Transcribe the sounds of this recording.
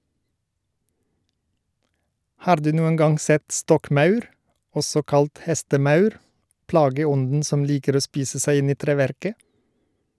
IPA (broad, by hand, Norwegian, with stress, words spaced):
ˈhɑːɾ ˈdʉː ˈnuːən ˈɡɑŋ ˈsɛt ˈstɔkˌmɑʉɾ ˈɔsɔ ˈkɑlt ˈhɛstəˌmɑʉɾ ˈplɑːɡəˌɔndn̩ ˈsɔm ˈliːkəɾ ˈoː ˈspiːsə ˈsæɪ ˈɪn ˈiː ˈtɾeːˌʋæɾkə